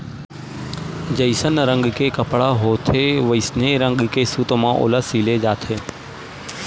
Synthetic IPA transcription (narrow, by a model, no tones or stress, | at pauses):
d͡ʒəɪsənɾə̃ŋɡkeːkəpɽaːɦoːt̪ʰeːʋəɪsneːɾə̃ŋɡkeːsuːt̪mãːʔo̰ːlasiːleːd͡ʒaːt̪ʰeː